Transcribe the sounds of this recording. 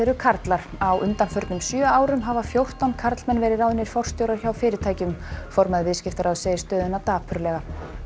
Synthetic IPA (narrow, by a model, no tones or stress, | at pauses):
ɛɾʏkʰaɾt̪laɾ̥ | awʔʏnt̪anfœɾt̪nʏmsjœːaːwɾʏmɦaːvafjowht̪awnkʰaɾt̪lmɛnːvɛːɾɪɾaːwðʏnɪɾ̥fɔr̥st̪jowɾaɾ̥çawfɪːɾɪɾt̪ʰaːjcʏmfoɾmaðɪvɪðscɪft̪aɾaðseːjɪst̪œːðʏnat̪aːpʰʏɾlɛɣa